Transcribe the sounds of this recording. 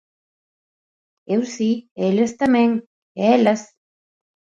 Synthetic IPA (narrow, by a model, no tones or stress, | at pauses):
ewsielest̪amẽŋ | eelas